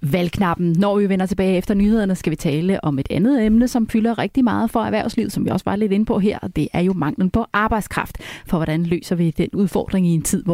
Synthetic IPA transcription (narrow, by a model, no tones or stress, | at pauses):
ʋælkʰnɑ̈b̥n̩nɒʋiʋenɐt͡sʰe̝b̥ɛːɪefd̥ɐnyːhe̝ð̞̰ˠɐnəsɡ̥æʋit͡sʰɛːləʔɒ̽me̝d̥ænð̞̩ˠemnəsɒ̽mfylɐʁeɡ̥̚d̥imɑ̈ːð̞̩ˠfɒ̽æɐʋæɐ̰ʊsliʊsɒ̽mʋiɒ̽sʋɑ̈le̝d̥e̝nəpʰɒ̽ɦeɛɐ̰d̥e̝ʔæɐjo̝mɑ̈ŋ̰ln̩pʰɒ̽ʔɑ̈ːb̥ɑ̈ɪd̥skʰʁɑ̈fd̥fɒ̽ʋɒɾ̥ænlø̰ːsɐʋid̥enuð̞ˠfɒ̰ːd̥ʁeŋient͡sʰið̰ˠʋ